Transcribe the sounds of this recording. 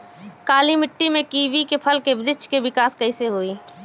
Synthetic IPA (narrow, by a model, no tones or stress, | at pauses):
kaːlimɪʈːimẽkiːʋikepʰəlkebɾɪt͡ʃʰkebɪkaːskəɪseɦoːiː